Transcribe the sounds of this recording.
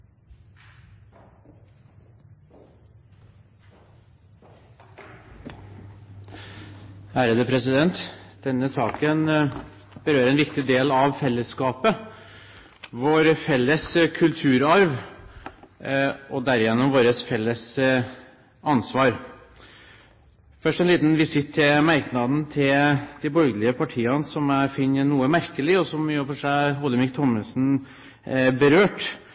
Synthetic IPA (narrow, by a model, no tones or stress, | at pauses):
æːɾəd̪əpʰɾɛsɪd̪ɛnt̪d̪̥ɛnːəsɑːkən | bəɾøːɾɛnʋɪkt̪ɪd̪eːlɑʋfɛlːəskɑːpə | ʋoːɾfɛlːəskʰʉlt̪ʰʉːɾɑɾʋ | ɔd̪æɾɪjɛnːəmʋoːɾəsfɛlːəs | ɑnsʋɑːɾ | fœʂʈɛnliːt̪nʋɪsɪt̪ʰːɪmæɾknɑd̪n̩t̪ʰɪld̪̥ɪbɔɾɡəlɪəpʰɑʈʰiːɑnsɔmæfɪnːənuːəmæɾkəlɪɔsɔmjøfɔʂæɪɦɔlːəmɪk̚t̪ʰɔməsn̩ | bəɾøːʈ